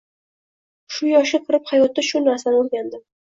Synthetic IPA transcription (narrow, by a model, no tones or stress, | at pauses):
ʃʊjɒʃɪqʰɨɾɪphajɒt̪ːaʃʊnaɾsanolɡʲand̪ɪ